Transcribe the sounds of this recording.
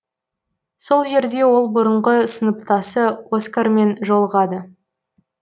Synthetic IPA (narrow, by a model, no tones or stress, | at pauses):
so̞lˠʒe̞ɾd̪e̞wo̞lˠbʊɾəɴʁəsənəp̚t̪ɑsəwoskarme̞nʒo̞lˠəʁɑd̪ə